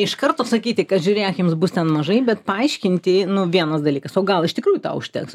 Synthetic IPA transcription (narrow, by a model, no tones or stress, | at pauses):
ɪʃkɐrt̪oːsɐkʲiːt̪ʲɪkɐt̪ʒʲʊɾʲeːkʲjɪmsbʊst̪ʲɛnmɐʒɐɪbʲɛt̪pɐɐɪʃʲkʲɪnʲt̪ʲɪnʊʋʲiɛnɐsd̪ɐlʲiːkɐsoːɡɐlˠɪʃt̪ʲɪkɾuːjʊt̪ɑ̰ːʊʃʲt̪ʲɛ̰ks